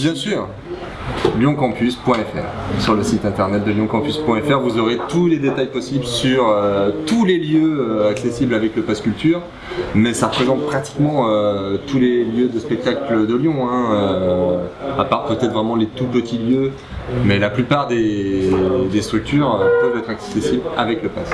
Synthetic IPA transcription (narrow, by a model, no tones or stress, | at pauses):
bjɛ̃syːʁ | ljɔ̃kɑ̃pyspwɛ̃ɛfɛ̰ːʁsyʁləsit̪ɛ̃t̪ɛʁnɛt̪̚d̪əljɔ̃kɑ̃pyspwɛ̃ɛfɛʁvuzɔʁet̪uled̪et̪ajpɔsiblsyʁøt̪uleljøøaksesiblavɛkləpaskʲylt̪yːʁ | mɛsaʁəpχezɑ̃t̪̚pχat̪i̥kmɑ̃øt̪uleljød̪əspɛk̚t̪akləd̪əljɔ̃ɛ̃ø | apaʁpøt̪ɛt̪χvʁɛmɑ̃let̪upət̪ʰiljø | mɛlaplypaʁd̪e | d̪est̪χyk̚t̪yːʁøpəvd̪ɛt̪χaksesiblavɛkləpas